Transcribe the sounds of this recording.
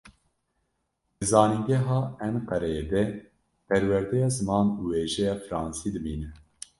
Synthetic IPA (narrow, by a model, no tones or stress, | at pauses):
bɨzɑːniŋɡɛɦɑːɛnqɛɾɛjed̪ɛ | pɛɾwɛɾd̪ɛjɑːzɨmɑːnuːweːʒɛjɑːfɨɾɑːnsiːd̪ɨbiːnɨ